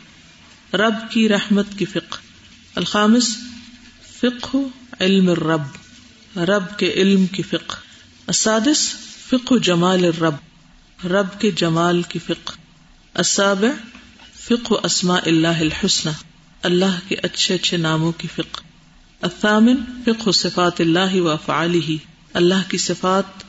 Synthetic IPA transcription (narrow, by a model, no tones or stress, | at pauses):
ɾɐbkiɾɐhmət̪kifɪq | ɐlxaːmɪs | fɪqhɪlmɐrːɐb | ɾɐbkeʔɪlmkifɪq | ɐsːaːd̪ɪsfɪqɦʊd͡ʒɐmaːlɪrːɐb | ɾɐbked͡ʒɐmaːlkifɪq | ɐsːaːbɪʕ | fɪqɦʔɐsmaːʔɪlːaːɦɪlħʊsnaː | ɐlːaɦkeʔɐtːʃʰeɐtːʃʰenaːmõkifɪq | ɐθːaːmɪnfɪqɦʊsɪfaːt̪ɪlːaːɦɪwɐɐfʕa̰ːlɪɦi | ɐlːaɦkisɪfaːt̪̚